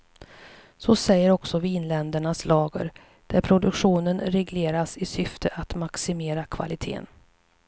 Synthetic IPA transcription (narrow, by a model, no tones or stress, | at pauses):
sɔsɛjːəɾɔksɔviːnlɛnd̪əɳaslɑːɡə̰ɾ | d̪̥æɾpʰɾʊd̪ɵkɧuːnənɾɛɡleːɾasɪsʏft̪ʰəʔat̪maksɪmeːɾakʰva̰lɪt̪ʰḛːn